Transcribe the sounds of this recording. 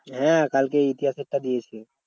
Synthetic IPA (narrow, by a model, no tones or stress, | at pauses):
ɦɛ̃kalkeit̪ijaseʈːad̪iet͡ʃʰe